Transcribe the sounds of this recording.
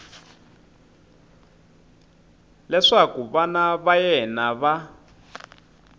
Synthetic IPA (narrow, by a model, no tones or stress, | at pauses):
lɛʂakuβanaβajɛnaβa